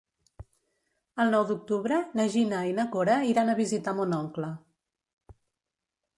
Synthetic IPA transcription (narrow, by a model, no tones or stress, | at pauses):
əlˠnɔwd̪uk̚t̪uβɾənəʒinəinəkoɾəiɾanəβizit̪amunɔŋklə